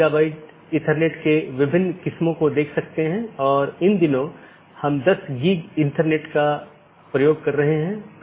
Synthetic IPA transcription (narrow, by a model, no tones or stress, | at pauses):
abaːɪʈ̚ | ɪ̃ʈəɾneːʈkeʋɪbʱɪnːkɪsmõkod̪eːkʰsɐk̚t̪eɦɛ̃ɔːɾɪnd̪ɪnõ | hɐmd̪ɐsɡiːɡɪ̃ɳʈəɾneːʈka | pɾɐjoːɡ̚kɐɾːɐɦeɦɛ̃ː